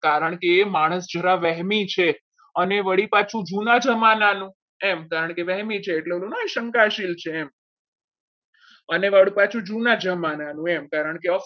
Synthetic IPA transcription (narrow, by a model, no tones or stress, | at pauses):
kaɾəɳ̃kemaɽ̃əsd͡ʒʱəɾaʋɛɦmit͡ʃʰe | əneʋəɽipat͡ʃʰũd͡ʒunad͡ʒəmananũ | emkaɾəɳ̃keʋɛɦmit͡ʃʰeːʈleolũnaeʃəŋkaʃilt͡ʃʰeːm | əneʋəɽipat͡ʃʰũd͡ʒunad͡ʒəmananũemkaɾəɳkeə